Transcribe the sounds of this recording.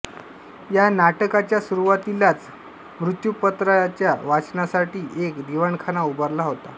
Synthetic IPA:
janaʈəkat͡ɕjasuɾuʋat̪ilat͡s | mɾut̪jupət̪ɾat͡ɕjaʋat͡snasaʈiːʔekd̪iʋəɳkʰanaubəɾlaɦot̪a

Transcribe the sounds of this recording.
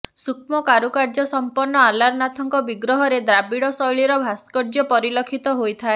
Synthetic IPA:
ssukʰmɔkaɾukaɾd͡ʒɔsɔmpɔnːɔalaɾnat̪ʰɔŋkɔbiɡɾɔɦɔɾed̪ɾabiɽɔsɔjɭiɾɔbʱaskɔɾd͡ʒɔpɔɾilɔkʰit̪ɔɦojt̪ʰae

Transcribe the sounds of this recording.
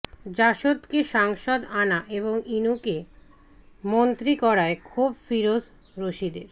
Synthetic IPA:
d͡ʑaʃot̪keʃaŋʃod̪anaʔeβoŋinuke | mont̪ɾikɔɾaekʰubfiɾod̪ | ɾoʃid̪eɾ

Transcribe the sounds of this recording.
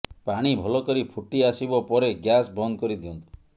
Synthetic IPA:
paɽ̃ibʱɔlɔkɔɾipʰuʈiasibɔpɔɾeɡjasbɔnd̪ɔkɔɾid̪iɔnt̪u̥

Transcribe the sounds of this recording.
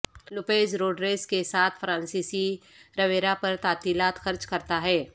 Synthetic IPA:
lʊpeːʃɾoːɖɾeːskesaːt̪ʰfɾãːnsiːsi | ɾɐʋeːɾapɐɾt̪aːt̪iːlaːt̪xɐɾt͡ʃkɐɾt̪aɦɛː

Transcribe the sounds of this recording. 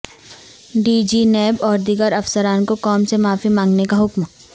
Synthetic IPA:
ɖiːd͡ʒinɛːbɔːɾd̪iɡəɾɐfsəɾaːnkokɔːmsemaːfimãːŋɡnekaɦʊkm

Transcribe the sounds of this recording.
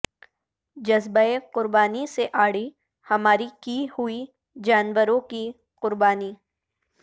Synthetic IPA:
d͡ʒɐzbaeqʊɾbaːniseʔaːɽi | hɐmaːɾikihui | d͡ʒaːnʋəɾõki | qʊɾbaːni

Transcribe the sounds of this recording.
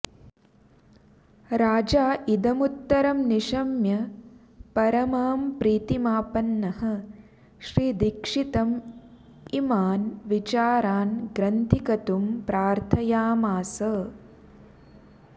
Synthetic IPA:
ɾaːd͡ʒaːʔid̪ɐmut̪ːɐɾɐmniʃɐmjɐ | pɐɾɐmaːmpɾiːt̪imaːpɐnːɐhɐ̆ | ʃɾiːd̪ikʂit̪ɐm | imaːnʋit͡ʃaːɾaːnɡɾɐnt̪ʰikɐt̪umpɾaːɾt̪ʰɐjaːmaːsɐ

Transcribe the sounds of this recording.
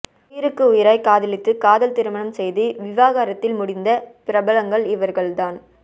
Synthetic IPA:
ʊjɪɾɯkːɯʊjɪɾɐɪkaːðɪlɪt̪ːɯkaːðɐlt̪ɪɾɯmɐɳɐmsɛjðɯʋɪʋaːɣaːɾɐt̪ːɪlmʊɽɪnd̪ɐpɪɾɐbɐlɐŋɡɐɭɪʋɐɾɣɐɭd̪aːn

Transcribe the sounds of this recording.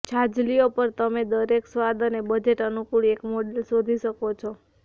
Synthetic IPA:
t͡ʃʰad͡ʒliopəɾt̪əmed̪əɾeksʋad̪ənebəd͡ʒeʈənukuɭekmoɖelsod̪ʱiʃəkot͡ʃʰɔ

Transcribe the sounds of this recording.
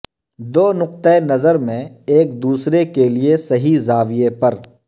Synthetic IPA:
d̪oːnʊq̚t̪əenɐzəɾmẽeːkd̪uːsɾekeliesɐɦizaːʋɪjepɐɾ

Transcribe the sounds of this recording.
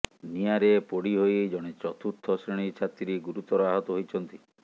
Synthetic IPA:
niaɾepoɽiɦojd͡ʒɔɽ̃et͡ʃɾɔt̪ʰut̪ʰːɔsɾiɽ̃it͡ʃʰat̪ɾiɡuɾut̪ɔɾɔaɦɔt̪ɔɦojt͡ʃʰɔnt̪i

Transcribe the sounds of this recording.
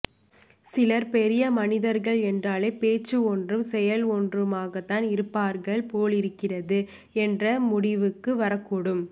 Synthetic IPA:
sɪlɐɾpɛɾɪjɐmɐnɪðɐɾɣɐɭɛndraːleɪpeːt͡ʃːɯɔndrɯmsɛjɐlɔndrɯmaːɣɐt̪ːaːnɪɾɯpːaːɾɣɐɭpoːlɪɾɯkːɪrɐðɯ | ɛndrɐmʊɽɪʋɯkːɯʋɐɾɐkːuːɽɯm

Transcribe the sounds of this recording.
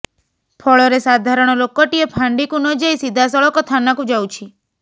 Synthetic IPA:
pʰɔɭoɾesad̪ʱaɾəɳ̃olokːɔʈiepʰãɳɖikũnɔd͡ʒajsid̪ʱasɔɭɔkɔt̪ʰanakũd͡ʒawt͡ʃʰi

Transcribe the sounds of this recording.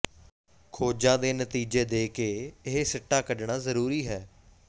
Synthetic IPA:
kʰoːd͡ʒãːd̪eːnət̪iːd͡ʒeːd̪eːkeːɪɦesɪʈːaːkəɖɳaːzəɾuːɾiːɦɛː

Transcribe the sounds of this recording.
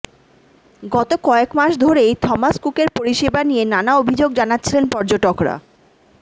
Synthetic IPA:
ɡɔt̪okɔekmaʃd̪ʱoɾejt̪ʰɔmaskukeɾpoɾiʃebanienanaobʱid͡ʑoɡ̚d͡ʑanatːɕʰilenpɔɾd͡ʑoʈokɾa̰

